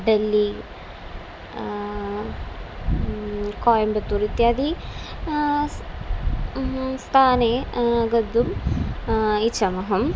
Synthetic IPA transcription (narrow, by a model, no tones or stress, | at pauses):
ɖelːi | koːjɐmbɐt̪ːuɾit̪jaːd̪i | st̪ʰaːneɡɐd̪ːum | it͡ɕʰːɐmɐɦɐm